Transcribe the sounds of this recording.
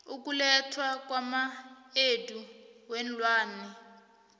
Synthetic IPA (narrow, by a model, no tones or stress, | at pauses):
uk̬ʼulɛtʰwak̬ʼwamaeduwɛn̩lwaːnɛ